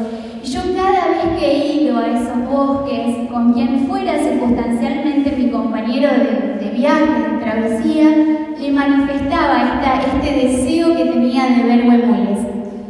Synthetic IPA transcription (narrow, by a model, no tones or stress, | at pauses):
iʒo̞kaðaβe̞hkeiðoaesozβoskesko̞ŋkjeɱfweɾasiɾkust̪ansjalmẽnt̪emiko̞mpaɲeɾoðed̪eβjaxeðet̪ɾaβesia | lemanife̞st̪aβaeht̪aʔeht̪e̞ðeseoket̪e̞niand̪eβe̞ɾβwemeles